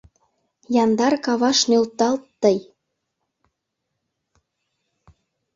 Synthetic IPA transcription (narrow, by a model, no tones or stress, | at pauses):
jɑnd̪ɑrkɑβɑʃnølt̪ɑlt̪ːəj